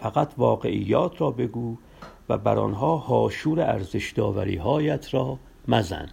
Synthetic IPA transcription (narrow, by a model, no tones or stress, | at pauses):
fæɣæt̪ʰvɒːɢe̞ʔijːɒːt̪ʰɾɒːbe̞ɡuː | væ̰bæ̰ɾɒ̰nɦɒːhɒːʃuːɾeæɾzeʃd̪ɒːvæ̰ɾḭːɦɒːjæt̪ʰɾɒː | mæzæ̰n